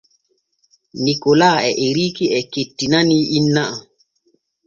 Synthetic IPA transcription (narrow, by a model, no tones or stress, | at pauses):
nikolaɛʔeɾikiɛketːinaniinːaa